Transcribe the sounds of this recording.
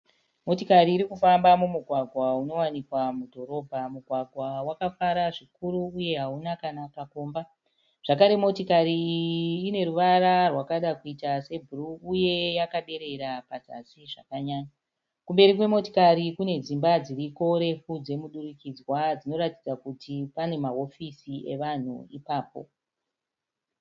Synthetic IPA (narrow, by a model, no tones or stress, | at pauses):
mo̞tikariːɾikufambamumuɡʱwaɡʱwauno̞wanikwamudʱo̞ɾo̞ːbʱamuɡʱwaɡʱwawakafaɾaʐikuɾuːje̞ɦaunakanakako̞ːmba | ʐ̥akaɾe̞mo̞tikaɾiː | ne̞ɾuʋararwakaɗakuitase̞bʱuruuje̞jakaɗe̞ɾe̞ɾapata̰siʐa̰kaɲaːɲa | kumbe̞ɾikwe̞mo̞tikaɾikune̞d͡zimbad͡ziriko̞ɾe̞fud͡ze̞muɗurikid͡zwad͡zino̞ɾatid͡zakutʰipane̞maɦo̞fisiʔe̞ʋan̤ṵipaːpo̞̰